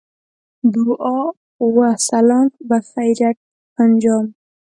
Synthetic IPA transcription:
d̪uʔɔ | wasalɔmbafajɾaʈ̚ | pand͡ʒɔm

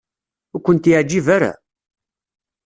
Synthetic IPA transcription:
ʊkʷːənt̪jɪʕd͡ʒːivaɾa̰

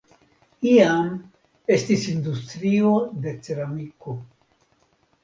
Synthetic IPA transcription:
iam | e̞stisind̪ust̪ɾio̞d̪e̞t͡se̞ɾamiko̞

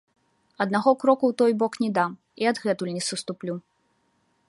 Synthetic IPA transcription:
ɐd̪naɣɔkɾɔkuwt̪ɔjbɔknʲɛd̪am | iad̪ɣɛt̪ulʲnʲɛsust̪uplʲu

